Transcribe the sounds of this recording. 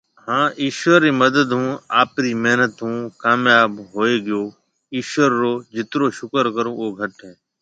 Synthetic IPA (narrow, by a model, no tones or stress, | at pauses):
hãːʔiːʃʋəɾːiːməd̪əd̪ɦũːaːpɾiːmeɦnət̪ɦũːkaːmjaːbɦoːeːɡɪjoː | iːʃʋəɾːoːd͡ʒɪt̪ɾoːʃʊkəɾkəɾõːoːɡʱəʈɦɛ̃ː